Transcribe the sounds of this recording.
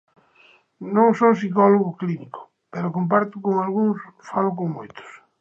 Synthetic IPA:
nõŋsows̬ikɔloɣʊkliniko̥ | peɾokomp̬aɾt̪ʊkoŋalɣuŋsfalokoŋmojt̪ʊ̥s

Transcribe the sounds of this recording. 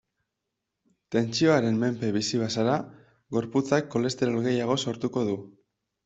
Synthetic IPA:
t̪e̞nt͡ʃio̞aɾe̞nme̞mpe̞βisiβ̞asaɾa | ɡo̞ɾput͡sakːo̞le̞st̪e̞ɾalɣe̞jaɣ̞o̞so̞ɾt̪uko̞ðu

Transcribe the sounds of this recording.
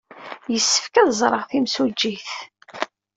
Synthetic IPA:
jəsːə̥fkæðzˤɾˤəʁθimsud͡ʒːiθ

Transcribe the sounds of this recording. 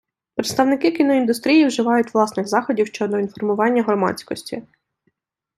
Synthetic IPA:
pɾet̪st̪ɐwnɪkɪkʲinɔind̪ʊst̪ɾʲijiwʒɪʋɑjʊtʲʋlˠɑsnɪɣzɑxɔdʲiwʃt͡ʃɔd̪ɔinfɔrmʊʋɑnʲːɐɦɾɔmɑ̰t͡sʲkɔsʲtʲḭ

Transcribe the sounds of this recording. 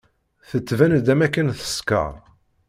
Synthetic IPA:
θət͡sːvænd̪æmækːənθə̥skə̰ʁ

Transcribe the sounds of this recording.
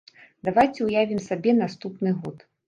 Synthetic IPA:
d̪avajt͡sʲɛujavʲimsabʲɛnast̪upnɨɣɔt̪

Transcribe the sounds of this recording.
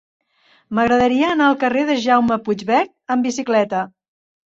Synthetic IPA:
məɣɾəðəɾiəːnaəlˠkəreðəʒawməpud͡ʒβɛɾt̪̚əmbisiklɛt̪ə

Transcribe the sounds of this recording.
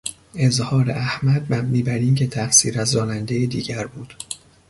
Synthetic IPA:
e̞zhɒːɾḛʔæhmæd̪̚bæmiːbæɾiːmcʰe̞t̪ʰæfsiːɾæzːɒːnænd̪ejid̪ḭːɟæɾbuːd̪̥

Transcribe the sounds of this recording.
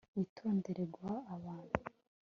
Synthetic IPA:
witʰo̞ːnde̞ɾeɡwaːβaːnhu

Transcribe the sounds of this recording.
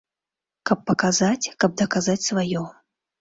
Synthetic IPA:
kɐpːɐkazat͡sʲkɐb̚d̪ɐkazat͡sʲsvajɔ

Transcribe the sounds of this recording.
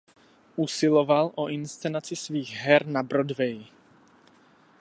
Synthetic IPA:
ʔusɪlovalʔoʔɪnst͡sɛnat͡sɪsviːɣɦɛɾnabɾodvɛj

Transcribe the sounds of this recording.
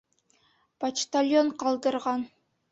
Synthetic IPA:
pat͡ʃt̪alʲjoɴqɑlˠd̪ɤ̆ɾʁɑn

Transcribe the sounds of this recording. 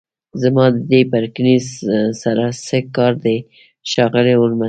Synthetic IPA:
zamɑd̪əd̪epaɾknisaɾasəkɑɾd̪e | ʃɑɣəleʊlma

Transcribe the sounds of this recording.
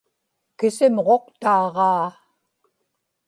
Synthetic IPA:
kɪsɪmʁo̞qt̪ɑːʁɑː

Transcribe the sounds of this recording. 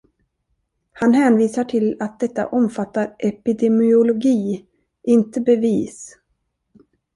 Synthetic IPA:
hanhɛːnviːsaʈʰɪlat̪̚d̪ɛt̪ːa̰ʔɔmfat̪ːaɾʔɛpɪd̪ɛmɪʊlʊɡiː | ʔɪnt̪əbɛviːs

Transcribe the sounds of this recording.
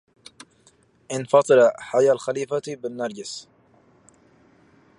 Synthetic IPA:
ʔɪnfɑt̪ˤɨɾaħajalxaliːfabɪnːɑɾˤd͡ʒɪs

